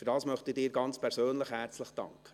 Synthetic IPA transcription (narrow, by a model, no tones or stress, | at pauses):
fʏɾdɑːsmœχtɪdɪːɾɡɑnt͡spʰɛɾsøːnləχhæɾt͡sləχd̥ɑ̰ŋkχə̥